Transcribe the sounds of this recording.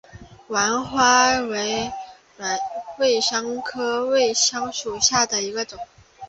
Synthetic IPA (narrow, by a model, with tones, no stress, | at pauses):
wa˧˥nxwa˥we˧˥ɪ˧˥ | we˥˩ɪʂɑ˥ŋkʰɤ˥we˥˩ɪɕɑ˥ŋʂu˨˩ɕja˥˩d̪ə˩i˧˥ɡə˧ʈ͡ʂʊ˨˩˦ŋ